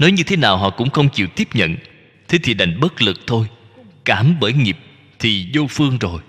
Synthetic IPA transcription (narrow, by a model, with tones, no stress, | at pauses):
nɔ˨˦jɲɨ˧t̪ʰe˨˦naː˨˩wɦɔ̰˧˨kʊ̰˧˥ŋ͡mxə˧wŋ͡mt͡ɕḭ˧˨wt̪i˦˥əp̚ɲə̰˧˨n | t̪ʰe˨˦t̪ʰi˨˩ɗa˨˩jŋ̟ɓə˦˥t̚lɨ˨˩k̚t̪ʰo˧j | kaː˧˩mɓəː˧˩jŋi˨˩p̚ | t̪ʰi˨˩zo˧fɨ˧əŋzo˨˩j